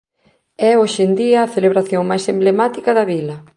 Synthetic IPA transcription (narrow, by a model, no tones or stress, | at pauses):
ɛoʃend̪iɐːθeleβɾaθjoŋmajsemblemat̪ikɐðɐβilɐ